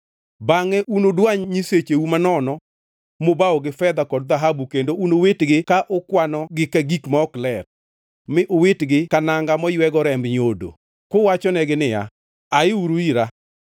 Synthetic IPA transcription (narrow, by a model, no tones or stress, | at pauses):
baŋɛʔunodwaɲɲiset͡ʃeumanɔnɔ | mobaɔɡɪfɛd̪akɔdd̪aɦabukendounowetɡɪkaʔʊkwanɔɡɪkaɡikmaɔklɛr | mɪʔowetɡɪkanaŋɡamɔjwɛɡɔɾɛmbɲodo̰ | kowat͡ʃɔnɛɡɪnɪja̰ | aɪuɾuiɾa